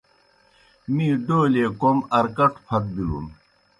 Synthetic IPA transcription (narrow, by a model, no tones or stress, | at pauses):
mĩːɖoːleːkomɐɾkɐʈpʰɐt̪̚bilṵm